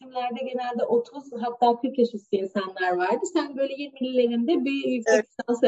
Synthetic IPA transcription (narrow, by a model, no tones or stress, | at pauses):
imlʲæɾd̪ɛɟe̞nælʲd̪ɛʔo̞t̪ʰuzɦat̪ʰːaːkʰyɾcjaʃɯsɯinsanlˠaɾvaɾd̪ɯsænbø̞jlʲejeniilʲilʲːe̞ɾind̪ɛbijycʲseians